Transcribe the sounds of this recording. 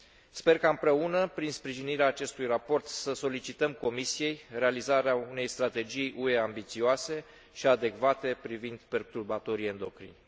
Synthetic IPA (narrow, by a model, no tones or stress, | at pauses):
spe̞rkaɨmpɾe̞unəpɾinspɾiʒiniɾeaːt͡ʃe̞st̪ujrapo̞rt̪səso̞lit͡ʃit̪əmko̞misije̞jre̞alizaɾeaune̞jst̪ɾat̪e̞d͡ʒijʔue̞ambit̪sioase̞ | ʃiad̪e̞kvat̪e̞pɾivind̪pe̞rt̪urbat̪o̞ɾie̞nd̪o̞kɾḭn